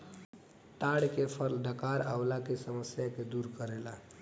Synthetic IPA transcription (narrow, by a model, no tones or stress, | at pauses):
t̪aɽkepʰəɾlɖʱəkaɾaʊlakesəməsjaked̪uɾkəɾela